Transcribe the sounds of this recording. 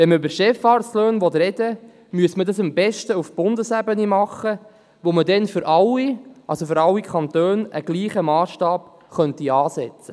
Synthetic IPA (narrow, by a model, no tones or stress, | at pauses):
ʋɛnməʏbəɾʃɛfɑːrsløːnʋɔt̪ɾɛd̥ə | myəsmədɑsəmbɛʃtəufb̥ʊndəsæbənimɑχːə | ʋomədɛnfʏɾʔɑlːiʔɑlsofʏɾɑlːikʰɑnt̪øːnəɡ̥liːχəmɑːsʃtɑːp | χœntiɑːsɛt͡sə̥